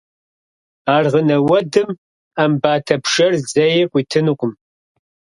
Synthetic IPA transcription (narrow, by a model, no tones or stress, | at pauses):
aːrʁənɐwɐdɨm | ambaːtʰɐpʂɐrzɐjɛqʷʼiːtʰɨnuqʷʼʊm